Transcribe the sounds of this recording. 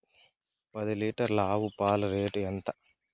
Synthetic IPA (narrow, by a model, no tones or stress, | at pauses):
pɐd̪iliːʈɐɾlaːʋupaːlɾeːʈɛnt̪ɐ